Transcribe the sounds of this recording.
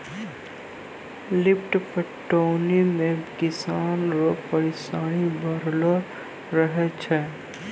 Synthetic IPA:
lɪpʈpəʈːoːnimẽkɪsaːnɾopəɾɪsaːɽ̃ibʱəɾlə | ɾəɦɛt͡ʃʰɛ

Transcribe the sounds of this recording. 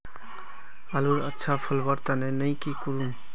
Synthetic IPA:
aluɾətːʃʰapʰəlbəɾt̪anenəjkikuɾun

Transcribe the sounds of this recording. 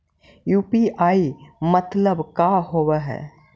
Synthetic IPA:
juːpiaːimət̪ləbkaɦoːwaɦɛ̰ː

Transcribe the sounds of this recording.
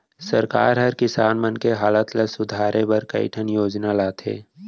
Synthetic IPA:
sɐɾka̰ːɾɦɐɾkɪsaːnmənkeɦaːlət̪lesʊd̪ʱaːɾebɐɾkɐ̰ḭʈʰənjoːd͡ʒnalaːt̪ʰɦḛː

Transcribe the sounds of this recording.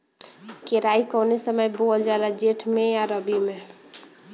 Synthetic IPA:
keɾaikɔwnesəməjbold͡ʒalad͡ʒeʈʰmẽjaɾəbime

